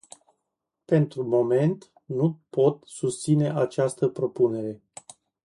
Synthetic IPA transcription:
pe̞nt̪ɾumo̞me̞nt̪ | nupo̞t̪sust̪sine̞ʔat͡ʃast̪əpɾo̞pune̞ɾe̞

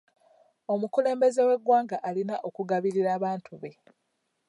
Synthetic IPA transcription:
o̞mukule̞ːmbe̞ze̞we̞ɡwaːŋɡaʔalinaʔo̞kuɡaβiɾiɾaːβaːntuβe̞

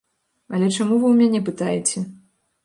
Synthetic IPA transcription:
ɐlʲɛt͡ʂamuvɨwmʲanʲɛpɨt̪ajɛt͡sʲɛ

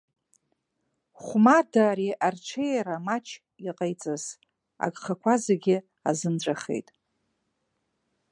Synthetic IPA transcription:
χʷmardaːɾiʔarʈ͡ʂʷʰejaɾamat͡ʃʰ | iqʼejt͡sʼɨz | a̰ɡʼχakʷʰazeɡʲɪ | a̰zɨnʈ͡ʂʷʼaχe̞̰jtʼ

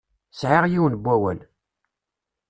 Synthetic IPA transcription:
sʕɪʁjiwənbʷːæwə̰n

